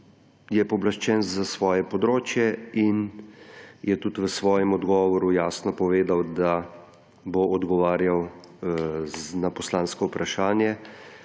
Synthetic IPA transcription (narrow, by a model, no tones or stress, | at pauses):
jɛpɔblaʃt͡ʃɛnzasʋɔːjɛpɔd̪ɾoːt͡ʃjɛin | jʔɛt̪ut̪ʋəsʋɔːjɛmɔd̪ɡɔːʋɔɾujaːsnɔpɔʋeːd̪awd̪a | boɔd̪ɡɔʋaːɾjaw | napɔslaːnskɔupɾaʃaːnjɛ